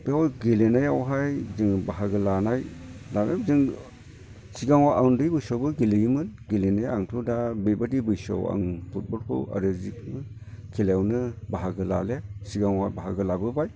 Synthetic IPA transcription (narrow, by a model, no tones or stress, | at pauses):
beɔjɡilenajawɦajzɯŋbaɦaɡɯlanajlalezɯŋ | siɡaŋwaʔawndɯjbɯjsɔwbɯɡilɯjimɯnɡilenajaŋtʰudabebadibɯjsɔ̰wa̰ŋpʰut̚bɔlkʰɯ̰wa̰ɾɯzik̚nɯ | kʰiljawnɯbaɦaɡɯla̰lesiɡaŋwabaɦaɡɯlabɯbaj